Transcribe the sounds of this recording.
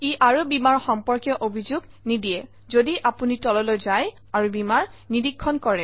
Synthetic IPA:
iʔaɹubimaɹxɔmpɔɹkjɔʔobʱizuɡ | nidijɛ | zodiʔapunitɔlɔlojzaj | aɹubimaɹnidikʰːɔnkɔɹɛ

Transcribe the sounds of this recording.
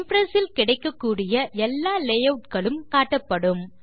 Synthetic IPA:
mfɾɐsɪlkɪɽɐɪkːɐkːuːɽɪjɐʔɛlːaːlɛjɐʊʈkɐɭɯmkaːʈːɐpːɐɽɯm

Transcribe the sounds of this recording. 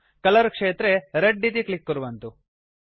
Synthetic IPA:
kɐlɐɾkʂeːt̪ɾeɾeɖːit̪̬iklikːuɾuʋɐnt̪u

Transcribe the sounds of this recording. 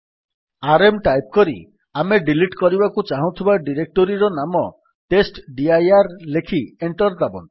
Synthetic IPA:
aɾemʈajp̚kɔɾḭ | ameɖiliʈkɔɾibakut͡ʃaɦũt̪ʰibaɖiɾek̚ʈoɾiɾɔnamɔ | ʈesʈɖiajaɾlekʰieɳʈɔɾd̪abɔ̰n

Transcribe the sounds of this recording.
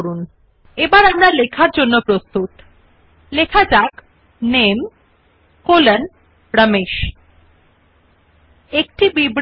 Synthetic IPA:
ɾun | ebaɾapnaɾlekʰaɾd͡ʑonːopɾost̪ut̪ | lekʰad͡ʑak | nem | kolən | ɾəmeʃ | ekʈibibɾ

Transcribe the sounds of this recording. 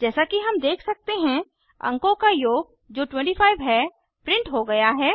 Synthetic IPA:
d͡ʒɛːsakiɦɐmd̪eːkʰsɐk̚t̪eɦɛ̃ | ə̰̃ŋkõkajoːɡ̚ | d͡ʒoːʈwɛ̃ɳʈifʰaːɪʋɦɛ | pɾɪ̃ɳʈɦoɡɐjaɦɛː

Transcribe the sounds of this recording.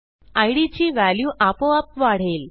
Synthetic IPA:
ajɽit͡ɕiːʋæljuːʔapoapʋaɽ̤el

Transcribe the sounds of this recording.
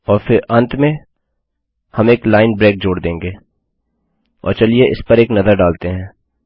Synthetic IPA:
ɔːɾfɪɾɐ̃nt̪mẽ | hɐmeːklaːɪnbɾeːk̚d͡ʒoːɽd̪ẽːŋɡeː | ɔ̰ːɾt͡ʃɐlieʔɪ̰spɐɾeːknɐzəɾɖaːlt̪eɦɛ̃ː

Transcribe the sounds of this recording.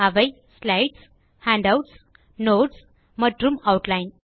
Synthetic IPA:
aʋəj | slajʈs | hæ̃ɳɖawʈs | noʈs | məʈɾumawʈlajn

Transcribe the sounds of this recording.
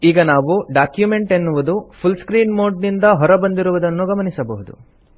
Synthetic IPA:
iːɡɐnaːʋuɖaːkjume̞ɳʈe̞nːuʋud̪upʰulskɾiːnmo̞ːɖnind̪ɐɦɔɾɐbɐnd̪iɾuʋud̪ɐnːuɡɐmɐnisɐbɐɦud̪ṵ

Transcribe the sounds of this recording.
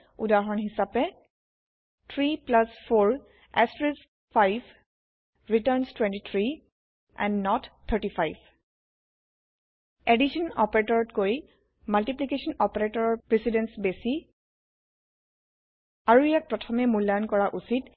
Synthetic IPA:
udaɦɔnɦisapɛ | t̪ʰɹiplaspʰoɹ | ɛstɹɛs | pʰajv | ɹitəɹnstwɛ̃ntit̪ʰɹi | ʔɛ̰̃nnɔt̪ʰəɹʈipʰajb | ediʃɔnɔpɹetɔɹɔtkoj | maltiplikesɔnɔpeɹetɔɹɔɹpɹisidɛnsbesi | aɹuijak̚pɹɔtʰɔmɛmulːajɔnkɔɹaʔusit

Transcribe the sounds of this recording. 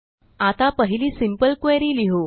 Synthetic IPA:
at̪apəɦiliːsimpəlkweɾiliɦo

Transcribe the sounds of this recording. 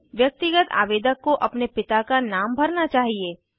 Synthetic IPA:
ʋjɐk̚t̪ɪɡət̪a̰ːʋeːd̪əkːoʔɐpnepɪt̪akanaːmbʱɐɾnat͡ʃaːɦieː

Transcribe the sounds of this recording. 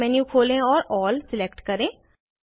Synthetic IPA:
ɛːnjũkʰoːlẽːɔːɾɔːlsɪlɛk̚ʈkəɾẽː

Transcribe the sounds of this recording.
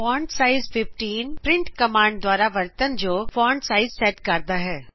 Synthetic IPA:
pɔ̃ːɳɖsaːɪzpɪfʈiːnpɾɪ̃ɳʈkɐmãːɳɖd̪waːɾaʋɐɾt̪ənd͡ʒoːfɔ̃ːɳɖsaːɪzsɛːʈkɐɾd̪aɦɛː

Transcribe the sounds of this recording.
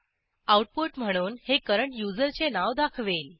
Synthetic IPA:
awʈ̚poʈm̤əɽ̃uːnhekəɾəɳʈjud͡zəɾt͡senaʋd̪akʰʋel

